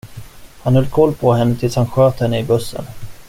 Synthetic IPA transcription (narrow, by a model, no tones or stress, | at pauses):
hanhɵlːkʰɔlːpʰɔɦɛnːət̪ʰɪlshanɧøːt̪hɛnːəɪbɵsːə̰n